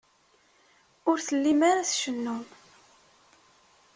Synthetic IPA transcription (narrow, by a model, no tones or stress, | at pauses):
ʊɾθəlːimaɾaθʃənːum